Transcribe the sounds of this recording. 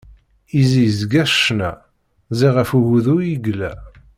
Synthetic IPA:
izijzɡæʃʃnæ̰ | ziʁəfuɣuðʊjiɡlæ

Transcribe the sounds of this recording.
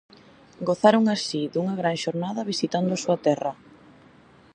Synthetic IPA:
ɡoθaɾoŋasiðuŋɐɣɾaŋʃoɾnaðɐβisit̪and̪ʊasuɐt̪ɛrɐ

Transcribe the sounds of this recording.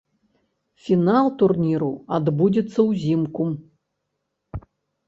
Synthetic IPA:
fʲinalˠt̪urnʲiɾuad̪bud͡zʲit̪sːɐwzʲimku

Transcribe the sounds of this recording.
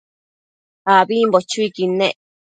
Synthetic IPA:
haβimbot͡ʃuikinẽ

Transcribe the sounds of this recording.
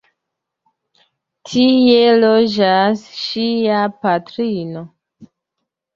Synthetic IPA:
tʰielod͡ʒasʃiapatɾino

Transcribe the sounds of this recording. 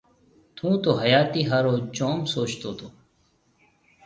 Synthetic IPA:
t̪ʰũːt̪oːɦəjaːt̪iːɦaːɾoːt͡ʃoːmsoːt͡ʃt̪oːt̪ʰoː

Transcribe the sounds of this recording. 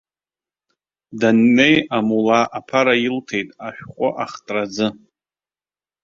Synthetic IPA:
danːe̞jamulaʔːpʰaɾailtʰe̞jtʼaʃᶣχʷʼʊʔaχtʼrad͡zɨ

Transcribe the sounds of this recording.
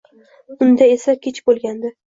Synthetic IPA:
ʊnd̪ae̞sakʲʰet͡ʃbolˠɡʲand̪ɪ

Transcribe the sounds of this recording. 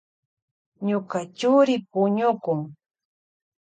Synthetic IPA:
ɲokat͡ʃʊɾɪpʊɲʊkʊŋ

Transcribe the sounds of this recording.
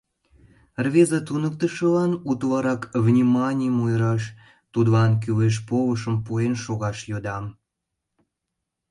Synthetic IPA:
rβezɑt̪unək̚t̪əʃəlɑnut̪βɑɾɑkβnʲimɑnʲimujɾɑʃ | t̪ud̪βɑnk̬yleʃ̬poβəʃəmpuenʃoɣɑʃjod̪ɑm

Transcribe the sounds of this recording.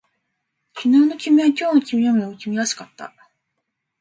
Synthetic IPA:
kʲinɯːno̞kʲimʲẽŋkʲo̞ːnokʲimʲijomeokʲimʲijaɕi̥kat̪ːa̰

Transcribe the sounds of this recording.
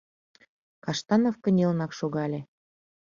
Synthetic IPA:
kɑʃt̪ɑnofkə̆nʲelnɑkʃoɣɑlʲe

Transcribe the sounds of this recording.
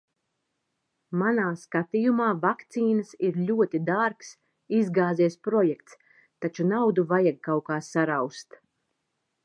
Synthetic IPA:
manaːskat̪ijumaːvakt̪siːnəsiɾʎʲuɔt̪id̪aɾks | izɡaːziɛspɾɔjɛkt̪s | t̪ːat͡ʃunawd̪uvajaɡ̚kawkaːsaɾawst̪

